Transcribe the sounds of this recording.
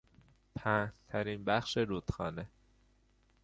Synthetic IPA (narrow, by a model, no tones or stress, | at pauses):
pʰæːt̪ʰæɾinbæxʃeɾuːt̪xɒːne